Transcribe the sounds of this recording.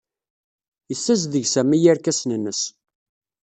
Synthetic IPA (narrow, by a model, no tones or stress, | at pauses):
jəθːæzðəʝsæmːijæɾkæsnənːəs